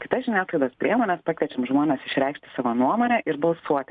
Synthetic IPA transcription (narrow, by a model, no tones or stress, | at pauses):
kʲɪ̥t̪ɐsʒʲɪnʲæːklˠɐɪd̪oːspʲɾʲiɛmoːnʲɛspɑkʋʲiɛt͡ʃʲɛmʒmoːnʲɛːsɪʃʲɾʲɛɪkʃʲt̪ʲɪ̥sɑːʋoːnuɔmoːnʲɛʔɪɾbɐlˠsuɔt̪ʲɪ